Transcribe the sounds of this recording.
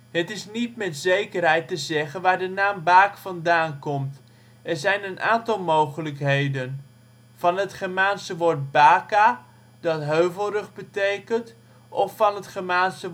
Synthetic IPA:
hətɪsnitmɛtzejkərɦɛjtəzɛχənʋaːɹdənaːmbaːkfɑndaːnkɔmt | ɛrzɛjnənʔaːntɑlˠmowχələkɦejdən | vɑnɦətχəmaːnsəʋoɹt̚baːka | dɑtɦøɥvəlˠrəχbətejkənt | ʔɔfːɑnətχəmaːnsə

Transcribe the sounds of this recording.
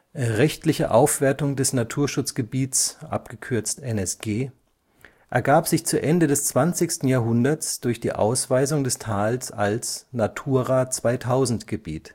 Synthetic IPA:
ʁɛçtlɪçə̰ʔa̰ʊfv̥eːɐtʊŋdɛsnatʰuːɐʃʊt͡sɡ̥əbiːtsʔa̰pɡ̥əkʰʏɐt͡stʔɛnɛsɡ̥eː | ʔɛɐɡaːpz̥ɪçt͡suːʔɛndədɛst͡sv̥ant͡sɪçstn̩jaːɐɦʊndɐsd̥ʊɐçd̥ḭːʔa̰ʊsv̥aɪzʊŋdɛstʰaːlsa̰lsnatʰuːɐʁaːt͡sv̥aɪtʰaʊzn̩tɡ̥əbḭːt

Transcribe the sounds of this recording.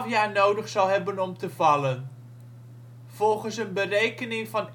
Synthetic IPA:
fjaːɹnowdəχsɑlˠɦɛbənɔmtəvɑlən | v̥ɔlˠχənsənbərejkənɪŋvɑn

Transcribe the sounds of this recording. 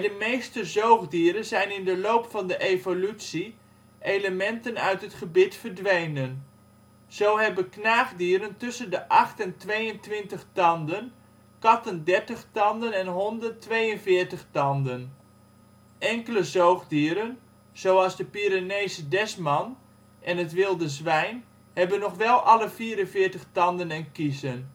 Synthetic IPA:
dəmejstəzowχdiːɾənzɛjnɪndəlowpfɑndəʔevolytsi | ʔeləmɛntənœɥtɦətχəbɪtfərdʋejnən | z̥owɦɛbəknaːχdiːɾəntʏsəndəʔɑχtɛntʋejəntʋɪntəχtɑndən | kɑtəndɛɹtəχtɑndənɛnɦɔndətʋejənfɪːəɹtəχtɑndən | ʔɛŋkələzoːχdiəɾən | z̥owɑlˠzdəpiɾaneːzədɛsmɑn | ʔɛnətʋɪlˠdəzʋɛjn | hɛbənɔχʋɛlˠʔɑləfiːəɾənfɪːrtəχtɑndənɛnkisən

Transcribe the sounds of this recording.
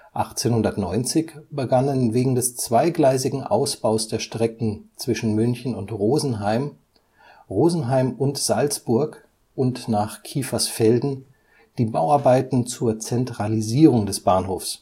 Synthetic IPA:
ʔaχt͡seːnhʊndɐtnɔʏnt͡sɪçb̥əɡanənveːɡŋ̩dɛst͡sv̥aɪɡlaɪsɪɡŋ̩ʔa̰ʊsb̥aʊsd̥eːɐʃtʁ̥ɛkŋ̩t͡sv̥ɪʃn̩mʏnçn̩ʊntʁoːzn̩ɦaɪm | ʁoːzn̩ɦaɪmʊntz̥alt͡sb̥ʊɐk | ʔʊntnaːχkʰiːfasfɛldn̩ | d̥iːbaʊaɐbaɪtn̩t͡suːɐt͡sɛntʁ̥aliziːʁʊŋdɛsb̥aːnɦoːfs

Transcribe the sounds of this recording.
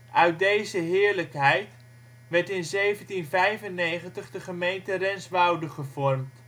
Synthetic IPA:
ʔœɥt̚dejzəɦɪːɹləkɦɛjt | ʋɛɹtɪnzejvəntinvɛjvənːejχəntəχdəχəmejntərɛnsʋɑwdəχəvɔɹmt

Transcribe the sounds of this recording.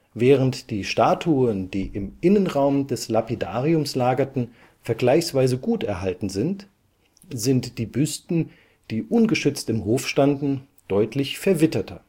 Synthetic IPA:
vɛːʁəntd̥iːʃtaːtʰuːənd̥iːʔɪmʔɪnənʁaʊmdɛslapida̰ːʁiʊmslaːɡɐtn̩ | fɛɐɡlaɪçsv̥aɪzəɡuːtɛɐɦaltn̩zɪnt | z̥ɪntd̥iːbʏstn̩ | d̥iːʔʊnɡəʃʏt͡stɪmɦoːfʃtandn̩ | d̥ɔʏtʰlɪçfɛɐvɪtɐtʰɐ

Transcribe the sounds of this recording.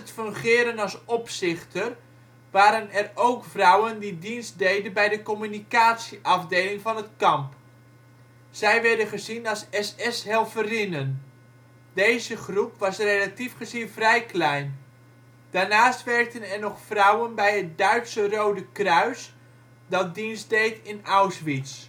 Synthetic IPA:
ətfɵŋχɪːɾənɑlˠsɔpsɪχtər | ʋaːɾənɛrowkfrɔwəndidinst̚dejdənbɛjdəkɔmynikaːtsiʔɑvdejlɪŋvɑnətkɑmp | z̥ɛjʋɛɹdənχəzinɑlˠsɛsɛsɦɛlˠvərɪnən | dejzəχrupʋɑsrelatifχəzinvrɛjklɛjn | d̥aːɹnaːstʋɛɹk̚tənɛrnɔχfrɔwənbɛjɦət̚dœɥtsərowdəkrœɥs | dɑt̚dinzdejtɪnawsʋits

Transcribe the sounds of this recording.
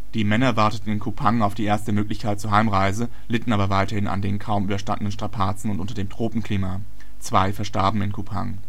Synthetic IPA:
d̥iːmɛnɐvaɐtətn̩ɪnkʰupʰaŋaʊfd̥iːʔeːɐstəmøːklɪçkʰaɪt̚t͡suːɐɦaɪmʁaɪzə | lɪtn̩ʔaːbɐvaɪtɐhɪna̰ndeːɪnkʰaʊmyːbɐʃta̰ndənənʃtʁ̥apʰaːt͡sn̩ʊntʔʊntɐdeːmtʁ̥oːpm̩kʰl̥iːma | t͡sv̥aɪfɛɐʃtaɐbm̩ɪnkʰupʰa̰ŋ

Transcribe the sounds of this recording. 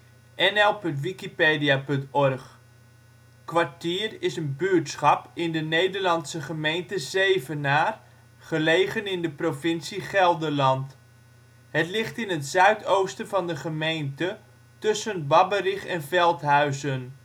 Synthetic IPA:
ʔɛnɛlˠpɵntʋikipeːdijapɵntɔrχ | kʋaɹtiːərɪsənbyːtsχɑpɪndənejdəɹlɑnsəχəmejntəzeːvənaːr | χəlejχənɪndəprovɪnsiχɛlˠdəlɑnt | hətlɪχtɪnətsœɥtʰowstəvɑndəχəmejntə | tɵsənbɑbəriχɛnvɛlˠtɦœɥzən

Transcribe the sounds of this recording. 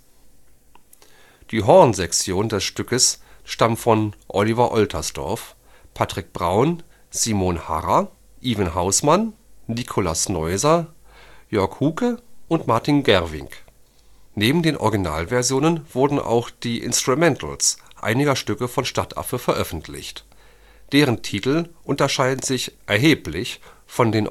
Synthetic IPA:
d̥iːɦɔɐnzɛkt͡sjoːndɛsʃtʏkəsʃtamfɔnʔɔlivɐʔɔltʰɐsd̥ɔ̰ɐf | pʰatʁ̥ɪk̚b̥ʁaʊn | z̥iːmoːnha̰ʁɐ | ʔiːvənhaʊsmanːikʰolasnɔʏzɐ | jœɐkhuːkəʔʊntmaɐtinɡɛɐvɪ̰ŋk | neːbm̩deːnʔɔ̰ɐɡina̰ːlvɛɐzjoːnənv̥ʊɐdn̩ʔa̰ʊxd̥iːʔɪ̰nstʁ̥umɛntʰl̩sʔa̰ɪnɪɡɐʃtʏkəfɔnʃtatʰʔa̰fəfɛɐʔœfn̩tʰlɪ̰çt | d̥eːʁəntʰiːtl̩ʔʊntɐʃaɪdn̩zɪçʔɛɐɦeːplɪçfɔndeːn

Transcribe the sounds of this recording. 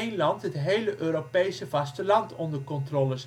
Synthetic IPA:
ejnlɑntɦətɦejləʔøːɾopejsəv̥ɑstəlɑntɔndərkɔntroːləs

